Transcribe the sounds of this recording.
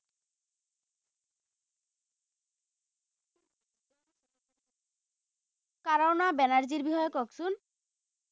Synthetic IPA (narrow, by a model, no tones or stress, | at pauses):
kaɾawnabɛnaɾd͡ʑiɾbiɦɔjekɔksun